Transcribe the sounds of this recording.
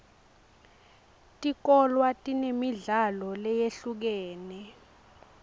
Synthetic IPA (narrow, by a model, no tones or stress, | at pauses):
tʼik̬ɔlwatʼinemiɮalɔlɛjeɬuk̬ɛːnɛ